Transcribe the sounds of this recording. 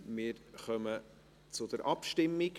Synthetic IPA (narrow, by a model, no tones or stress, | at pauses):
mɪːɾχœmə | t͡sʊd̪əɾʔɑpʃtɪmːik